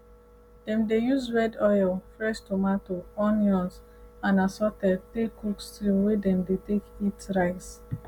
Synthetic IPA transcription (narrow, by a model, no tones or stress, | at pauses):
d̥ɛ̃mdejuzwɛdɔjlfɹɛʃtomatoɔnjɔ̃ns | ãnasɔtɛd̚tekukstɾĩmwedɛ̃mdetekitɹaɪs